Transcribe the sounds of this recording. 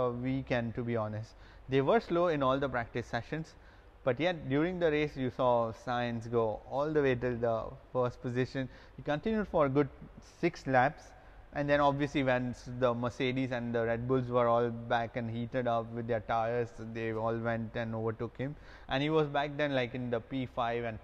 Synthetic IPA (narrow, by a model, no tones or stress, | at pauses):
ʋikɛ̃nʈubiːɔːnəsʈ | d̪eːʋəɾsloːɪ̃nɔːld̪əpɾæk̚ʈɪsːɛʃə̃ns | b̥ʌʈjɛʈ̚ɖjuːɾɪ̃ŋd̪əɾeːsjusɔːsaɪə̃ns̬ɡoːɔːld̪əʋeːʈʊd̪əfəːsʈ̚pɔzɪʃə̃n | hiːkə̃nʈɪ̃njuɖfɔɾɡʊɖsɪkslæps | ʔæ̃nd̪ɛ̃nɔbʋiəsliʋɛ̃nd̪əməseːɖizæ̃nd̪əɾɛɖ̚bʊlzʋəɾɔːlbækɛ̃nɖhiːʈəɖʌpʋɪd̪ːəɾʈaɪəɾsd̪eɔːlʋɛ̃nʈæ̃noːʋəɾʈʊkhɪ̃m | ʔæ̃nɖiːʋɔzbæk̚d̪ɛ̃nlaɪkɪ̃nd̪əpiːfaɪʋæ̃n